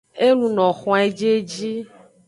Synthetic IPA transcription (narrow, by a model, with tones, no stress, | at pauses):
e˦lũ˨nɔ̃˨xɔ̃˨˦e˦d͡ʒe˦d͡ʒi˦